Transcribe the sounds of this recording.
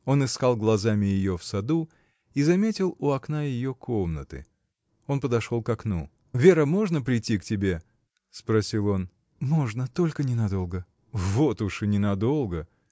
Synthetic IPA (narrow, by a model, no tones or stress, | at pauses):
o̞nɨskalˠɡlˠɐzamʲɪjɪjo̞fsɐd̪u | izɐmʲetʲɪlˠʊɐkn̪ajɪjo̞kʰo̞mnət̪ɨ̰ | o̞npəd̪ɐʂo̞lˠkɐknṵ | vʲeɾəmo̞ʐnəpɾʲɪjtʲːiktʲɪbʲe | spɾɐsʲilˠo̞n | mo̞ʐnət̪o̞lʲkənʲɪnɐd̪o̞lˠɡə | vo̞t̪ʊʂɨnʲɪnɐd̪o̞lˠɡə